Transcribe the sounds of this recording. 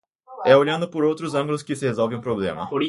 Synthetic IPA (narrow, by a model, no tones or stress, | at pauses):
ɛoʎɐ̃nd̪ʊpoɾowt̪ɾʊzɐ̃ŋɡulʊskɪsɪhezɔlvẽũpɾoblḛ̃mɐ̰poɾi